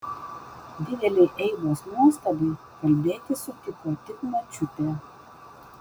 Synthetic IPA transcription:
d̪ʲɪd̪ʲɛlʲɛɪʔɛɪʋoːsnuɔst̪ɐd̪ɐɪ | kɐlʲbʲeːt̪ʲɪsʊt̪ʲɪkoːt̪ʲɪkmɐt͡ʃʲʊt̪ʲɛˑ

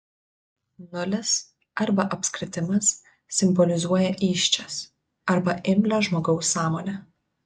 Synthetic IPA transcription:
nʊlʲɛs | ɐɾbɐʔɐpʲsʲkɾʲɪt̪ʲɪmɐs | sʲɪmbɔlʲɪzuɔjɛʔiːʃʲt͡ʃʲɛs | ɐɾbɐʔɪmʲlʲæʒmoːɡɒʊsːɑːmoːlʲɛ

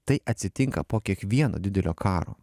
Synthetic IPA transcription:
t̪ɐɪʔɐt̪ʲsʲɪt̪ʲɪŋkɐ̰poːkʲiɛkʋʲiɛno̰ːd̪ʲɪd̪ʲɛlʲo̰ːkʰɑːɾo̰ː

